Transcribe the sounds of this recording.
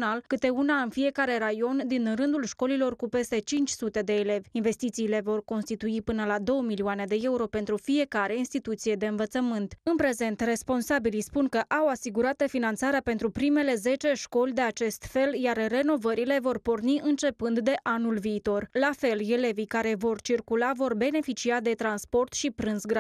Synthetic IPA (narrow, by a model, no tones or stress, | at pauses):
nalkɨt̪e̞unaɨnfije̞kaɾe̞ɾajo̞nd̪inrɨnd̪ulʃko̞lilo̞rkupe̞st̪e̞t͡ʃint͡ʃʲsut̪e̞d̪e̞ːle̞vʲinve̞st̪it̪siːle̞vo̞rko̞nst̪it̪uipɨnəlad̪o̞wəmilioane̞d̪e̞e̞uɾo̞pe̞nt̪ɾufie̞kaɾe̞inst̪it̪ut̪sije̞d̪e̞ɨnvət̪səmɨnt̪ɨnpɾe̞ze̞nt̪re̞spo̞nsabilijspunkəʔawasiɡuɾat̪efinant̪saɾeape̞nt̪ɾupɾime̞le̞ze̞t͡ʃe̞ʃko̞lʲd̪e̞at͡ʃe̞st̪fe̞ljarːe̞no̞vəɾile̞vo̞rpo̞rniɨnt͡ʃe̞pɨnd̪d̪e̞ʔanulviːt̪o̞rlafe̞le̞le̞vijkaɾe̞vo̞rt͡ʃirkulavo̞rbe̞ne̞fit͡ʃiad̪e̞t̪ɾanspo̞rt̪ʃipɾɨnsɡɾa